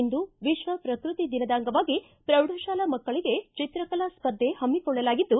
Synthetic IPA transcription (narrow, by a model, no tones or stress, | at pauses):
nd̪uʋiʃʋɐpɾɐkɾut̪id̪inɐd̪aːŋɡɐʋaːɡi | pɾɐʋɽʱɐʃaːlɐmɐkːɐɭiɡet͡ʃit̪ɾɐkɐlaspɐd̪ʱːe̞hɐmːikɔɭːɐlaːɡid̪ːu